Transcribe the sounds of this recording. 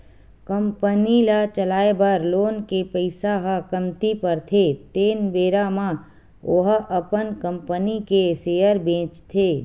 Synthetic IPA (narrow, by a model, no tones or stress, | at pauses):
kəmpənilat͡ʃəlaːebəɾloːnkepəɪsaɦakəmt̪ipɐɾt̪ʰet̪eːnbeːɾamã | oɦʔəpənkə̃mpənikeseːjəɾbẽːt͡ʃt̪ʰeː